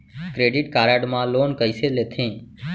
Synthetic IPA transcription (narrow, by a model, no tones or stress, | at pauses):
kɾeːɖɪːʈkaːɾaːɖmãːloːnkəiseːleːt̪ʰẽː